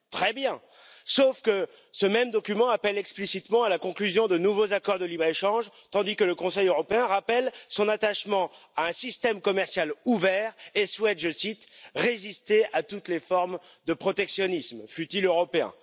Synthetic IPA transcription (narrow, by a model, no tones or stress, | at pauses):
t̪χɛbjɛ̃ | sofkə | səmɛmd̪ɔkʲymɑ̃apɛlɛksplisit̪mɑ̃alakɔ̃klyzjɔ̃d̪ənuvozakɔʁd̪əlibʁeʃɑ̃ʒt̪ɑ̃d̪ikələkɔ̃sɛjøʁɔpeɛ̃ʁapɛlsɔ̃nat̪aʃmɑ̃aɛ̃sist̪ɛmkɔmɛʁsjaluvɛʁeswɛt̪ʒəsit̪ʁezist̪eʔat̪ut̪lefɔʁm | d̪əpχɔt̪ɛksjɔnismfyt̪iløʁɔpeɛ̰̃